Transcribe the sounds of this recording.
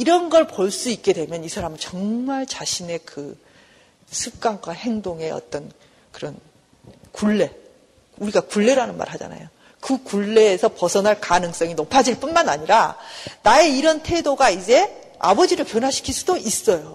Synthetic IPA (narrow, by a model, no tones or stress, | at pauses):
iɾʌnɡʌɭpoɭs͈uik̚k͈e̞dwe̞mjʌnisʰaɾamt͡ɕʌŋmaɭt͡ɕaɕʰine̞kɯ | sʰɯk͈aŋɡwahe̞ŋdoŋe̞ʌ̰t͈ʌn | kɯɾʌn | kuɭːe̞ | uɾiɡakuɭːe̞ɾanɯnma̰ɾɭhad͡ʑa̰na̰jo | kɯkuɭːe̞ːsʰʌpʌsʰʌnɦaɭkanɯŋs͈ʌŋinopʰad͡ʑiɭp͈unmanaɲiɾanae̞iɾʌntʰe̞doɡaid͡ʑe̞ | a̰bʌd͡ʑiɾɯɭpjʌnwaɕʰi̥kʰiɭs͈udoʔis͈ʌjo